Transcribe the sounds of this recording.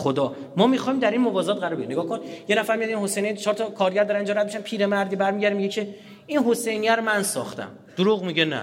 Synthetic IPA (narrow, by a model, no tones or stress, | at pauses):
xod̪ɒː | mɒːmixɒːimd̪æɾinmobɒːzɒːt̪̚ɢæɾɔɾbeineɡɒːhkʰonjenæfæɾmijɒd̪inhɦo̞sejnijt͡ʃʰɒːɾt̪ʰɒkʰɒːɾɟæɾd̪ɒːɾænind͡ʒɒɾæd̪meʃæmpʰiːɾemæɾd̪iːbæɾmiɟæɾimiɟecʰe̞ | inɦo̞se̞jnijæɾomænsɒ̰ːxt̪ʰæ̰m | d̪̥oɾuːɣmiɟenæ̰